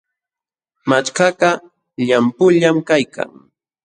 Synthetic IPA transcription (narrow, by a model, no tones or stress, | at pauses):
mat͡ʃkɑɢɑ | ʎampʊʎamkajka̰ŋ